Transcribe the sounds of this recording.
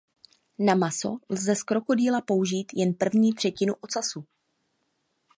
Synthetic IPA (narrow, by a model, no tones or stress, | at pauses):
namaso̞̰lzɛskɾo̞ko̞diːlapo̞uʒiːt̪jɛnpr̩vɲiːt̪r̥ɛcɪnuʔo̞t͡sasu